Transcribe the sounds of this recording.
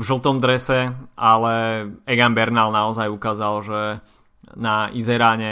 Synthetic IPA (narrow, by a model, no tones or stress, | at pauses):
vʒl̩t̪ɔmd̪ɾɛsɛʔalɛɛɡanbɛɾnalnaɔzajukaːzalʒɛ | naʔizɛɾaːɲɛ